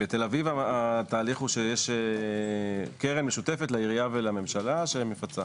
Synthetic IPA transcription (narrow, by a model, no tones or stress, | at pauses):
bet̪e̞lavivaat̪aːliχuʃejeʃe | keʁenmeʃut̪efe̞t̪laiʁiavelame̞mʃalaʃemefat͡sa